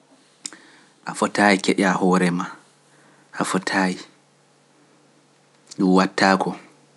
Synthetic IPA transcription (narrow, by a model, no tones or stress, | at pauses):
ʔafɔtaːikɛɗahɔːɾɛma | ʔafɔtʰaːji | ɗumwatʰːaːkʰɔ